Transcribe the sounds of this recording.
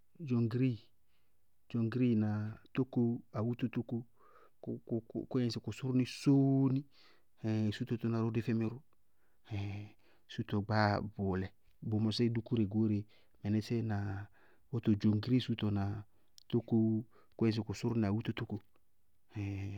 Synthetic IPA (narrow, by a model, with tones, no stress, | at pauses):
d͡ʒo˨ŋɡɾi˦ | d͡ʒo˨ŋɡɾi˦˨na˨to˦ko˦a˨wu˦t̪o˦t̪o˦ko˦ | ko˦ɛ̃˦˨sɪ˨kʊ˨sʊ˦ɾni˦so˦ni˦ | ɛ˨su˦t̪o˨t̪o˦na˨ɾo˦dɪ˦fɛ˦mi˦ɾʊ˦ | hɛ˨ | su˦t̪o˨ɡ͡ba˦bʊ˨lɛ˨ | bo˨mɔ˨sɛ˦du˦ku˦ɾe˨ɡo˦ɾe˨ | mɛ˨nɛ˦sɛ˦na˨ | o˦t̪o˨d͡ʒo˨ŋɡɾi˦su˦to˨na˨ | to˦ko˦ | ko˦ɛ̃˨s̬ɪ˨ku˨sʊ˦ɾni˨a˨wu˦t̪o˦to˦ko˦ | ɛ˨